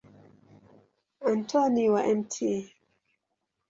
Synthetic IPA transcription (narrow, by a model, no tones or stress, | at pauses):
antʰɔniwaʔɛmtʰi